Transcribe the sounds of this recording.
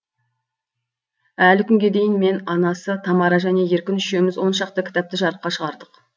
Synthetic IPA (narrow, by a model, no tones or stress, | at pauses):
ælkʲʰʏŋɡʲe̞d̪e̞jɪnme̞nɑnɑsət̪ʰɑmɑɾɑʒæne̞je̞ɾkʲɪnʏʃe̞mɪzwo̞nʃɑq̚t̪əkʲʰɪ̥t̪ɑp̚t̪əʒɑɾəq̚qɑʃəʁɑɾd̪əq